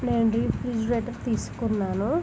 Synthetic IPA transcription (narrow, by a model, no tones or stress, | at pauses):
neːnɾiːpɾid͡ʒɾeːʈɐɾt̪iːsu̥kunːaːnu